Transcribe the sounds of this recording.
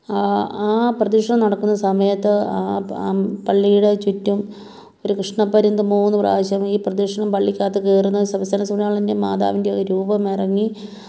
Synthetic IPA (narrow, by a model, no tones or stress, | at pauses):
aːprɐd̪iʂɐɳɐmnɐɽɐkːunːɐsɐmɐjɐt̪ːɨaː | pɐɭːijuɽet͡ɕutːum | o̞ɾukrɨʂɳɐpːɐɾind̪ɨmuːnːupra̰ːɐɕɐmiːprɐd̪ikʂɐɳɐmpɐɭːikʲːaːt̪ːɨkeːrunːɐsɐʋɐst̪ɐnɐsuɳɐjaːɭindemaːd̪a̰ːʋindeoɾuːbɐmirɐŋːi